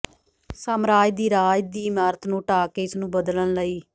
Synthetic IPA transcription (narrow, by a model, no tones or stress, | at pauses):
səmɾaːjd̪iːɾaːjd̪iːmaːɾət̪nũːʈaːkeːɪsnũːbəd̪lənləiː